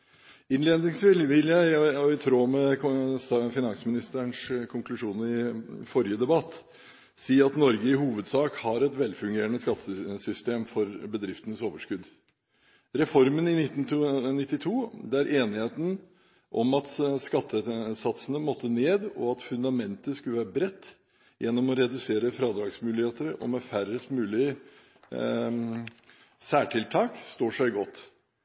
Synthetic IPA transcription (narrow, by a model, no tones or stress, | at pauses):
ɪnleːd̪nɪŋsʋɪlʋɪljæɪɔɪt̪ʰɾoːmɛsfɪnɑnsmɪnɪst̪əəɳʂkʰʊŋklʉʂuːnɪfɔɾɪəd̪ɛbɑt̪ː | siːɑt̪nɔɾɡəɪhuːʋəd̪sɑːkhɑɾɛt̪ʋɛlːfʉŋɡeːɾəɳəskɑt̪ʰːəsʏst̪eːmfɔɾbəd̪ɾɪft̪ənəsoːʋəʂkʉd̪ | ɾɛfɔɾmənɪnɪt̪ːn̩nɪt̪ːɪt̪ʰuːd̪æɾʔeːnɪheːt̪ən̩ | ʔɔmɑt̪skɑt̪ʰːəsɑt̪sənəmɔt̪ʰːəneːd̪ɔ̰ɑt̪fʉnd̪ɑmɛnt̪əskʉləʋæːɾəbɾɛt̪ː | jɛnːɔmɔɾɛd̪ʉseːɾəfɾɑːd̪ɾɑːɡsmʉːlɪheːt̪əɾəʔɔ̰mɛfæɾəst̪mʉːlɪə | sæːʈʰɪlt̪ʰɑːkst̪oːʂæɪɡɔt̪ː